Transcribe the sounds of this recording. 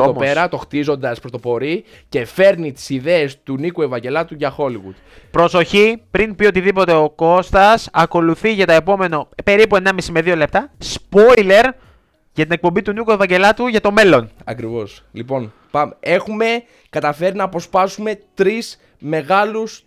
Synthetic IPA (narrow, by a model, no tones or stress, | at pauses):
oopeɾɐt̪o̞xt̪izo̞nd̪ɐspɾot̪o̞po̞ɾi | ce̞fe̞ɾnit̪i̥siðe̞ːst̪unikuevɐɲɟe̞lɐt̪uʝɐxo̞liɣṵd̪ | pɾo̞so̞çipɾinpio̞t̪iðipo̞t̪e̞o̞ko̞st̪ɐsɐko̞luθiʝɐt̪ɐe̞po̞me̞nope̞ɾipue̞nɐmisimeðio̞le̞p̚t̪ɐspo̞ile̞ɾ | ʝɐt̪ine̞k̚po̞mbit̪unikue̞vɐɲɟe̞lɐt̪uʝɐt̪o̞me̞lo̞nɐkɾivo̞s | lipo̞n | pɐme̞xume̞ | kɐt̪ɐfe̞ɾinɐːpo̞spɐsume̞t̪ɾis | me̞ɣɐlus